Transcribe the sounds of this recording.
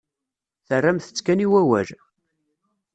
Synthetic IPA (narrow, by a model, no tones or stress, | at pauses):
θərːæmθə̥t͡sːkæniwæwæ̰l